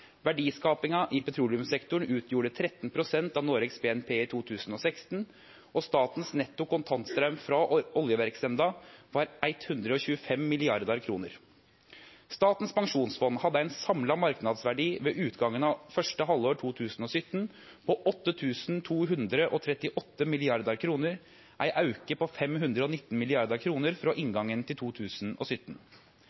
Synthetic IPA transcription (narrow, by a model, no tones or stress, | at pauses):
ʋæɖiːskɑːpɪŋɑʔɪpɛt̪ʰɾuːlɪʉmsɛkt̪ʊɳ̩ʉːt̪ʰjuːɖət̪ʰɾɛt̪ːn̩pʰɾʊsɛnt̪ɑːnoːɾɛksbeːɛnpʰeːɪt̪ʰuːt̪ʰʉːsn̩ɔsɛkst̪n | ɔst̪ɑːt̪n̩snɛt̪ːʊkʊnt̪ʰɑnt̪st̪ɾœʉmfɾɑɔljəʋæɾksɛnd̪ɑʋɑːɾʔæɪt̪hʉnd̪ɾəɔɕʉːəfɛmːɪlɪɑɾd̪ɑɾkʰɾuːnəɾ | st̪ɑːt̪n̩spʰɑŋʂuːnsfɔnːhɑd̪əæɪnsɑmlɑmɑɾknɑd̪sʋæɖiːʋeːʔʉːt̪ɡɑŋːənɑfœʂʈəɦɑlːoːʈʰuːt̪ʰʉːsn̩ɔsʏt̪ːn | pʰɔʔɔt̪ːət̪ʰʉːsnt̪ʰuːɦʉnd̪ɾəʔɔt̪ʰɾɛt̪ɪʔɔt̪ːəmɪlɪɑɾd̪əɾkʰɾuːnəɾ | ʔæɪʔɑʉkəpʰɔfɛmɦʉnd̪ɾəɔnɪt̪ːn̩mɪlɪɑɾd̪əɾkʰɾuːnəɾfɾoːʔɪŋɡɑŋːənt̪ʰɪlt̪ʰuːt̪ʰʉːsnɔ̰ːsʏt̪ːn̩